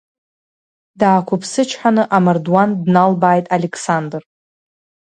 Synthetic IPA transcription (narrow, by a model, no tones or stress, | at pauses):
daːkʷʰʊpʰsɨt͡ʃʰħanɨʔamardwandnalbaːjtʼalekʰsandr